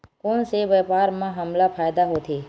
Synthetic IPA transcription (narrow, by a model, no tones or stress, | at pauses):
koːnseʋeːpaːɾmãɦɐmlapʰaːjd̪aɦoːt̪ʰeː